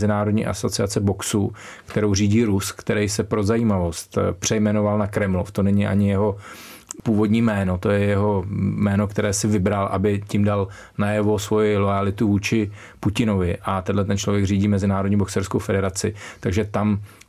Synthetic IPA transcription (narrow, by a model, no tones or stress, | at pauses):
zɪnaːɾodɲḭːʔa̰so̞t͡sɪat͡sɛbo̞ksu | kt̪ɛɾowriːɟiːɾuskt̪ɛɾɛjsɛpɾo̞zajiːmavo̞st̪pr̝̥ɛjmɛno̞valnakɾɛmloft̪o̞nɛɲɪʔa̰ɲɪjɛɦo̞puːvo̞dɲiːmɛːno̞t̪o̞jɛjɛɦo̞mɛːno̞kt̪ɛɾɛːsɪvɪbɾalʔa̰bɪcɪmdal | najɛvo̞svo̞jɪlo̞jalɪt̪uvuːt͡ʃɪ | pucɪno̞vɪʔat̪ɛdlɛt̪ɛnt͡ʃlo̞vjɛɡriːɟiːmɛzɪnaːɾodɲiːboksɛɾskowfɛdɛɾat͡sɪt̪aɡʒɛt̪am